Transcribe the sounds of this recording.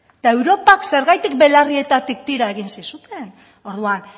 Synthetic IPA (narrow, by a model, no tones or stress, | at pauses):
t̪ae̞wɾo̞pakse̞ɾɣajt̪ik̚be̞larie̞t̪at̪ik̚t̪iɾae̞ɣ̞insisut̪e̞n | o̞ɾðuan